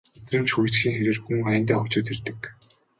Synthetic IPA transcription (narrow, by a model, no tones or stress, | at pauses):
et̪rɘ̆mt͡ɕxuj̆ʰt͡ɕxiːŋxeɾeːrxuŋæːnt̪̬æːχʊt͡ɕʊːt̪ert̪ɘ̆k